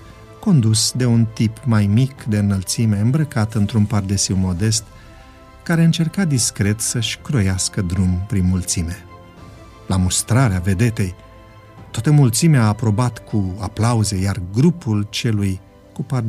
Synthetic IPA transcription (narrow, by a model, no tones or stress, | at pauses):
ko̞nd̪usd̪e̞unt̪ipmajmikd̪e̞ɨnəlt̪sime̞ɨmbɾəkat̪ɨnt̪ɾunpard̪esiwmo̞d̪e̞st̪ | kaɾe̞ɨnt͡ʃe̞rkad̪iskɾe̞t̪səʃʲkɾo̞jaskəd̪ɾumpɾinmult̪sime̞ | lamust̪ɾaɾeave̞d̪e̞t̪e̞j | t̪oat̪əmult̪simeaːpɾo̞bat̪kʰuaplauze̞jarɡɾupult͡ʃe̞luj | kupar